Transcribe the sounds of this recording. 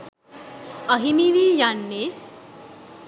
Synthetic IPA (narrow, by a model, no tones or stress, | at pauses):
əɦimiʋijanːe